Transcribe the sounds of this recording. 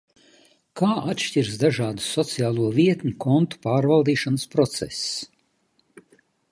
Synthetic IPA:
kaːʔat̪ʃtʲiɾsd̪aʒaːd̪usɔt̪siaːlˠuɔviɛt̪ɲʲukʰɔnt̪u̥paːɾvalˠd̪iːʃanəspɾɔt̪sɛ̰s

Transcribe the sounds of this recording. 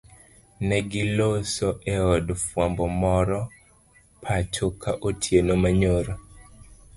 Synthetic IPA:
nɛɡɪlosɔʔɛɔdfwambɔmɔɾɔ | pʰat͡ʃokʰaʔotʰjenomaɲoɾo

